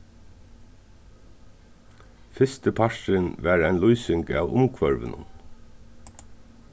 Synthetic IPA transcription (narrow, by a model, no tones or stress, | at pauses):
fɪst̪əpʰaʂɪnʋæːɾæɪnlujsɪŋka̰ʋʊ̰mkʰʋœɹʋɪ̰nʊ̰n